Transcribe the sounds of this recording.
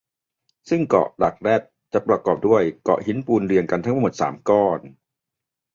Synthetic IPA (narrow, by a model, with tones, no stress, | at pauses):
sɯ˥˩ŋkɔ̰˨˩ʔla˨˩k̚ɾɛ˥˩t̪̚t͡ɕa˨˩pɾa˧kɔː˨˩p̚du˥˩əjkɔ̰˨˩ʔhi˦˥npuː˧nɾi˧ənka˧nt̪ʰa˥ŋmː˧˥˩m˨˩t̪̚sa̰ː˩˦mkɔː˥˩n